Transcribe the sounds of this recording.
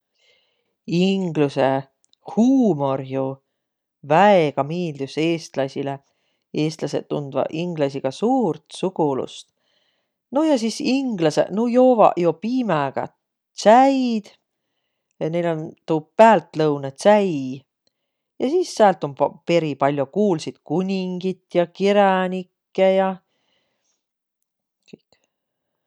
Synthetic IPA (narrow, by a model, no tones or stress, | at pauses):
iŋɡ̥luse̞ | huːmo̞rjo | væeɡ̥ɑmiːld̪useːst̪lɑsʲile | e̞ːst̪lɑse̞̰t̪ːund̪̥vɑ̰ʔiŋɡ̥lɑsʲiɡ̥ɑsuːrt̪suɡulṵst̪ | nojɑs̬isiŋɡ̥lɑsḛnujo̞ːvɑ̰jopiːmeɡ̥ɑ̰ | t̪sæjd̪̥ | ne̞jlo̞nt̪uːpæːlt̪lɤwnet̪sæj | jɑsiːsːæːlt̪ompe̞ɾipɑlʲjokuːlsid̪̥kunʲiŋɡ̥it̪ːjɑkiɾɑnʲikːejɑ | kɯjkːˑ